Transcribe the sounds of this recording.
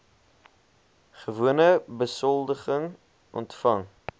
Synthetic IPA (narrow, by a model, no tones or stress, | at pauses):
χəvuənəbəsɔlˠdəχəŋ | ʔɔ̰ntfɐŋ